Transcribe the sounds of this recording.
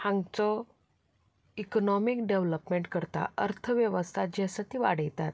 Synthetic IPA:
hãŋɡt͡sɔ | ikɔnɔmikɖeʋləpmeɳʈkəɾt̪a̰əɾt̪ʰəʋjəʋəst̪ʰad͡ʑɛsat̪iʋa̰ɽ̤əjt̪at̪̚

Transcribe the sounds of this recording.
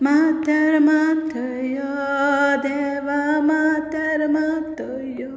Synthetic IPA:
mat̪əɾmãt̪ʰəjod̪eʋamat̪ɐɾmat̪ʰə | jo

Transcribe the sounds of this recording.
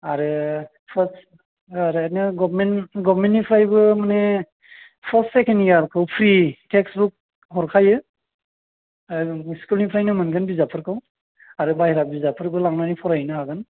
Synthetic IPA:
aɾɯ | pʰəs | aɾnaɡɔbmenɡɔbmentnipʰɾajbɯmane | pʰəsːekenijaɾkʰawpʰɾitʰeksbuk̚ | ɦɔɾkʰajɯ | skulnipʰɾajnɯmɯnɡɯnbizapʰɯɾkʰaw | aɾɯbajɾabizapʰɯɾbɯlaŋnanipʰɔɾajnɯaɡɯn

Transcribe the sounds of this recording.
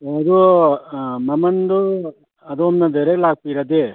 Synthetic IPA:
ɐd̪u | mɐmɐnd̪u | ɐd̪uɔmnɐd̪eɾeɡlaːk̚piɾɐd̪e

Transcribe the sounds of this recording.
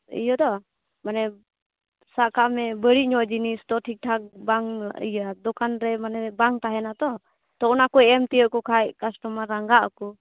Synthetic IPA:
ḭjɔd̪ɔ | manɛ | saʔkamɛbəɽiʔɲɔd͡ʒinist̪ɔʈʰik̚ʈʰak̚baŋḭjd̪ɔkanɾɛmanɛbaŋt̪aɦɛnat̪ɔ | t̪ɔnakɔɛɛmt̪iəkɔkʰajkasʈɔmaɾaŋɡaʔəkɔ

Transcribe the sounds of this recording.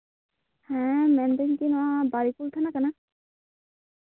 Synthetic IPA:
hɛ̃mɛnd̪eɲkinɔwabaɾikult̪ʰanakana

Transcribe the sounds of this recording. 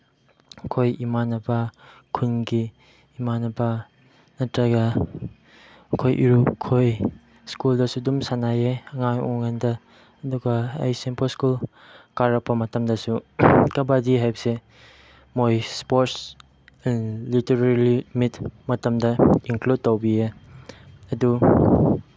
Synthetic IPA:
kʰojimanɐbɐkʰunɡiː | manɐbɐ | nɐtɾɐɡɐ | kʰojʔiɾukʰoj | skuldɐsudumsanajeɐŋajɔ̰ŋandɐ | ɐduɡɐɐ̰jsempʰoskul | kaɾɐk̚pɐmɐtɐmdɐsukɐbadiɦajbɐse | mojspoɾts | ɛnliteɾaɾlimitmɐtɐmdɐiŋklud̚towbie | ɐdu

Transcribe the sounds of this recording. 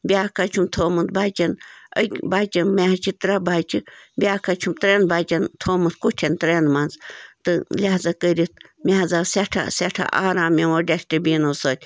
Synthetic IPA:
bʲaːkat͡ʃʰumt̪ʰoːmɨnd̪baːt͡ʃɐnə̰kʲbaːt͡ʃɐnmeɦɐt͡ʃʰit̪ɾɐbaːt͡ʃʰibʲaːkat͡ʃʰumt̪ɾenbaːt͡ʃɐnt̪ʰoːmɨt̪kutʲʰɐnt̪ɾenmɐnzt̪ɨlʲaɦzɐkəɾit̪mʲaɦɐzasʲaʈʰa̰sʲaʈʰa̰ʔaːɾaːmʲeʋoːɖʲesʈebʲiːnosoːt̪ʲ

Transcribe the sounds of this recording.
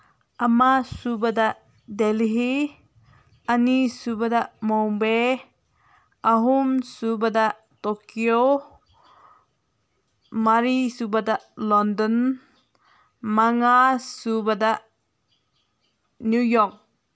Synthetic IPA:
ʔamasubadaʔ | delɦi | anisubadaʔmɔbe | aɦumsubadaʔ | tokio | maɾisubadaʔlɔndɔn | maŋasubadaʔ | njujɔk̚

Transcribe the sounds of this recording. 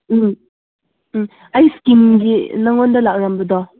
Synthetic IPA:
ajskimɡinaŋondɐlak̚ɾambɐdɔ

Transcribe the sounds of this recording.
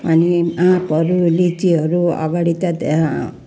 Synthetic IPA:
ʌniapʌɾulit͡siɦʌɾuʌ̰ɡaɽit̪ad̪

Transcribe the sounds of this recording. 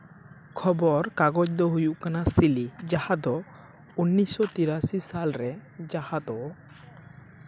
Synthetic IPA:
kʰɔbɔɾkaɡɔd͡ʒd̪ɔɦujuʔkanasilid͡ʒahad̪ɔ | unːisɔt̪iɾasisalɾɛd͡ʒahad̪ɔ

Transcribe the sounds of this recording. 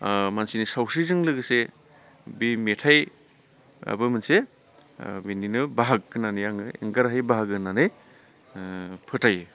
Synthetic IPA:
mansinisawsizɯŋlɯɡɯse | bimetʰaj | a̰bɯmɯnse | bininɯbaɦak̚ːɯnanɯjaŋɯḛŋɡaɾɦajbaɦaɡɯnanɯj | pʰɯtʰaj

